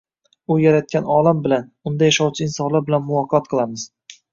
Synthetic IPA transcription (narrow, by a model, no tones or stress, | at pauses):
ʊjaɾat̪̚kʲʰanɒlˠambɪlanʊnd̪ajaʃɒwt͡ʃʰɪɪnsɒnlaɾbɪlanmʊvˠɒqʰɑt̪̚qʰɨlˠamɪz̥